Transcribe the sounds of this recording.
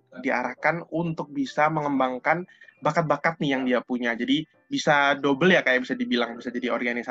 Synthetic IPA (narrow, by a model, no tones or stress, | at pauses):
dia̰ɾahkanunt̪ʊk̚bisaməŋəmbaŋkanbakat̪̚bakat̪̚nɪjaŋdiapuɲad͡ʒadi | bisadobəljakajabisadibilaŋbisad͡ʒadiɔrɡanisa